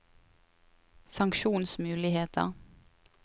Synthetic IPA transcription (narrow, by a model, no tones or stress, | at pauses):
sɑŋkʃuːnsmʉːlɪheːt̪ʰə̰ʁ